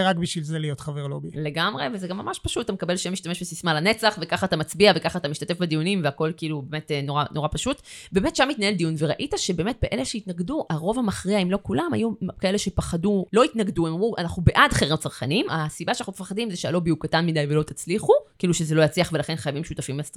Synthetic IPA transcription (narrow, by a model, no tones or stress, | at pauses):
ʁakbiʃvilzelijotχaveʁlobile̞ɡamʁevezeɡamːamaʃpaʃut̚ːatamekabe̞lʃemiʃtame̞ʃbesismalane̞t͡saχve̞kaχaːtamat͡sbiave̞kaχaːtamiʃt̪ate̞fbad̪ijunimveako̞lkiiːlubeme̞teno̞ʁano̞ʁapaʃutbe̞ːme̞tʃamitnae̞ld̪ijunveʁaʔitaʃebe̞ːme̞t̚beʔe̞leʃeitnaɡduʔaʁo̞vamaχʁiaimlokulama̰jukaele̞ʃepaχadulo̞itnaɡduemamʁuanaχnubeʔadχeʁimt͡saʁχanimasibaʃanaχumefaχadimzeʃealobijukatanmidajvelo̞t̪at͡sliχukiiluʃezelo̞jat͡sliaχve̞laχe̞nχajavimʃutafimlast̪